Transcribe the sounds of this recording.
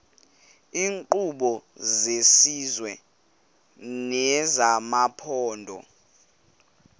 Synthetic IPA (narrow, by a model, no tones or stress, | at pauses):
iːŋǃuɓɔzesizwɛ | nɛzamapʰɔːndʱɔ̰